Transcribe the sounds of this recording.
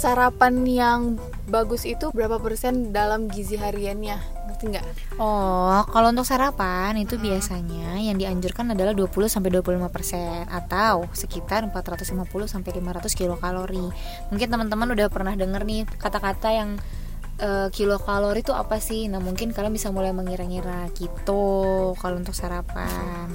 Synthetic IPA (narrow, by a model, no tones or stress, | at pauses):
saɾapanjaŋ | baɡʊsit̪ubəɾapapərsɛndalamɡiziɦaɾianɲa | bərt̪iŋɡaʔ | ʔɔhkalount̪ʊksaɾapanit̪ubiasaɲajaŋdiaɲd͡ʒurkanadalahduapulʊsamp̬ajduapululimapərsɛnʔat̪awsəkit̪armpat̪ɾat̪ʊslimapulʊhsampajlimaɾat̪ʊskilokaloɾi | muŋkɪnt̪əmənt̪əmanudahpərnahdəŋərnɪhkat̪akat̪ajaŋ | ʔəːkilokaloɾit̪ua̰pasɪhnahmuŋkɪnkalawbisamulajməŋiɾaŋiɾakit̪okalount̪ʊk̚saɾapa̰ | n